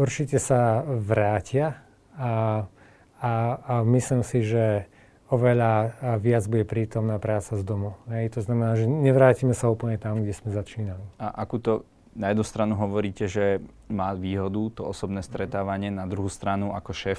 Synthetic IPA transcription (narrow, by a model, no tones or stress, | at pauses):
uɾt͡ʃicɛsaʋɾaːcɪa | amislimsiʒɛ | ɔʋɛʎaʋɪad͡zbuɟɛpɾiːt̪ɔmnaːpɾaːt͡sazd̪ɔmuɦɛjt̪ɔznamɛnaːʒɛɲɛʋɾaːcimɛsauːplɲɛt̪amɡɟɛsmɛzat͡ʃiːnaliaʔakuːt̪ɔ | najɛd̪nust̪ɾanuɦɔʋɔɾiːcɛʒɛ | maːʋiːɦɔd̪ut̪ɔɔsɔbnɛːst̪ɾɛt̪aːʋaɲɪɛnad̪ɾuɦuːst̪ɾanuʔakɔʃɛːf